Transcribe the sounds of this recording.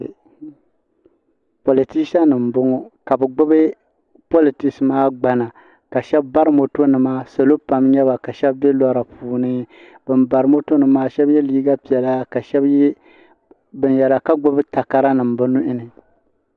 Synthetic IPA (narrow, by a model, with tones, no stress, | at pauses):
po˨li˨ti˦sa˦nɨ˨m̩˨bʊ˦ŋɔ˦ka˨bɨ˨ɡ͡bʊ˦bɨ˦ | po˦li˨tɪ˨ksɨ˨maː˦ɡ͡ba˨na˨ | ka˨ʃɛ˦bːa˦ɾɨ˦mo˨to˦nɨ˨maː˦sa˨lo˦pa˨mɲɛ˦βa˨ka˨ʃɛ˦bbɛ˦lɔ˦ɾa˨puː˨nɨ˦ | bɨ˨mba˨ɾɨ˨˦mo˦to˦nɨ˦maː˦ʃɛ˦bjɛ˦liː˦ɡa˦pi˨ɛ˨la˦ka˨ʃɛ˦b | bɨ˨njɛ˨la˨ka˦ɡ͡bʊ˦bɨ˦ta˨ka˨ɾa˦nɨ˨m˨bɨ˦nʊ˦ʔɪ˦nɨ˨